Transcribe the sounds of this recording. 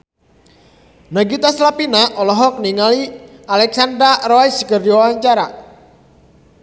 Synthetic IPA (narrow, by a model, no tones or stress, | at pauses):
naɡit̪aslapinaʔɔlɔɦɔk̚niŋalialɛksand̪ɾarɔjskərd͡ʒɔwawaɲt͡ʃaɾa